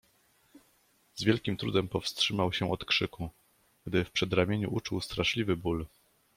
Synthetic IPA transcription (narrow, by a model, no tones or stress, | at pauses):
zvʲjɛlkʲimt̪ɾud̪ɛmpɔfstʂɘmawɕɛʔɔt̪kʂɘku | ɡd̪ɘfpʂɛd̪ɾamʲjeɲṵʔut͡ʂuwst̪ɾaʂlʲivɘbul